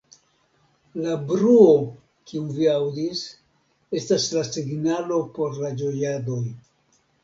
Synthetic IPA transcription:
labɾuo̞ | kiuviawdis | e̞staslasiɡnalo̞po̞ɾlad͡ʒo̞jado̞j

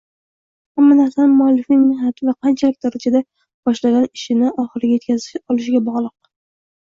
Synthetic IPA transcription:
hamːanaɾsanɪmmʊalːɪfɪŋmɪhnat̪ʰɪvaqʰɑnt͡ʃʰalɪkʲd̪aɾad͡ʒad̪a | b̥ɒʃlaɡʲanɪʃɪnɪɒχɨɾɪɡʲaje̞t̪kʲazɪʃɒlɪʃɪɡʲabɒʁlˠɨq̚

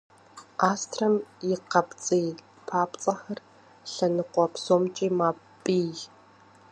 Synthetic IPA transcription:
ʔaːstʰrɐmjɪqɐpt͡sʼiː | pʰaːpt͡sʼɐxɐr | ɬɐnɨqʷɔpsoːmt͡ʃʼiːmaː | pʼiː

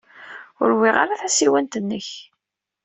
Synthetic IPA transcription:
ʊ̰ɾwiʁa̰ɾaθæsiwænt̪ənːəç

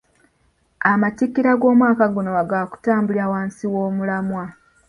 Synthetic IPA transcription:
amatikːiɾaɡo̞ːmwaːkaɡonowaɡaːku̥taːmbuliawaːnsiwo̞ːmulamwa

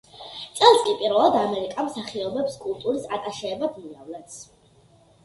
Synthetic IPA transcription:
t̪sʼɛlˠskʼipʼiɾvɛlˠad̪amɛɾikʼamsaχiɔbɛpskʼulˠt̪ʼuɾisat̪ʼaʃɛːbab̪niavlɛt̪s

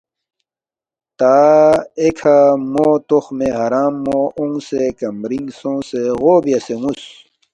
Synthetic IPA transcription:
t̪aːekʰamoːt̪oxmeɦɐɾaːmːoũŋsekɐmɾiŋsõːseɣoːbijɐseŋus

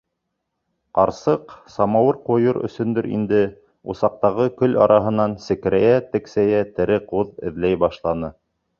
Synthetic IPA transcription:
qɑɾsɤqsɑmɑwɤɾqojɤɾɵ̰̆sɵ̆nd̪ɵɾḭnd̪ɘ | ṵsɑq̚t̪ɑʁɤkɵlʔɑ̰ɾʔɑɦɤ̆nɑnsɘ̆k̆ɾæjæt̪ɘ̆ksæjæt̪ɘ̆ɾɘquðɘ̆ðlæjbɑʃlˠɑnɤ

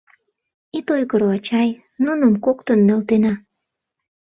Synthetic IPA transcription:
it̪ojɣəɾoɑt͡ɕɑj | nunəmkokt̪ənːølt̪enɑ

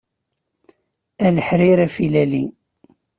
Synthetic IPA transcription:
æləħɾiɾæfilæli

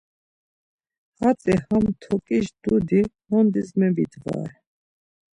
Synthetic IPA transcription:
hat͡sʼihamt̪ʰɔkʼiʃd̪̥ud̪ihɔnd̪izmɛvid̪va̰ɾ

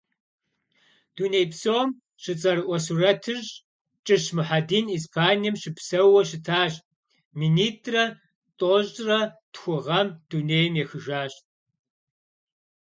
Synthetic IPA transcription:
d̥uːnejpsowm | ʃɨt͡sʼɐɾɨʔʷɔsurɐtʰɨʑ | t͡ʃʼɨɕmɨħadiːniːspʰaːnijɛmɕɨpsɐwɐʃɪtʰaːɕ | miniːtʰʼrɐ | tʼoʑʼrɐtxʷʊʁɐmd̥uːneːjmjɛxɨʒaːɕʼ

